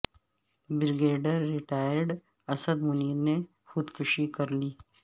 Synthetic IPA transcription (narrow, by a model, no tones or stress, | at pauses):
bɪɾɡeːɖəɾːɪʈaːjəɾɖ | ɐsəd̪mʊniːɾne | xʊd̪kʊʃikɐɾliː